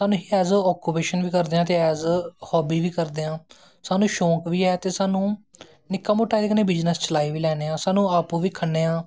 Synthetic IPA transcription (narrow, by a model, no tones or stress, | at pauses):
saːnũːɦiːɛːzɔːkʊpeːʃənʋiːkəɾd̪eːãːt̪eːɛːzhɔːbiːʋiːkəɾd̪eːãː | saːnũːʃõːkʋiːɛːt̪eːsaːnũː | nɪkːamʊʈːaːid̪ekəneːbɪd͡ʒnəst͡ʃəlaːiːʋiːlɛːneːãːsaːnũːaːpũːʋiːkʰəɳːeːãː